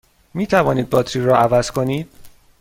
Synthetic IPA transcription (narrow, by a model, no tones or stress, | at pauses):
miːt̪ʰævɒːniːd̪̚bɒːt̪ʰɾiɾɒːʔævæz̥kʰo̞niːd̪̥̚